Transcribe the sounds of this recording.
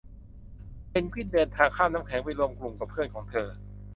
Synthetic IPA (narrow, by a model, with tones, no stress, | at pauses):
pe˧npʰiː˥˩n̚dɤː˧nt̪ʰaː˧ŋkʰaː˥˩naː˦˥mkʰɛː˩˦ŋpa˧˥˩jlu˧əmklu˨˩ŋka˨˩pʰɯ˥˩nkʰɔː˩˦ŋt̪ʰɤː˧